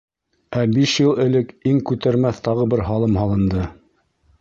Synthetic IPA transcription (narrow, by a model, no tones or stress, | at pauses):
æbiʃjɤlˠɘ̆lɘkiŋkʉt̪æɾmæθt̪ɑʁɤbɘɾɦɑlˠɤmhɑlˠɤ̆nd̪ɤ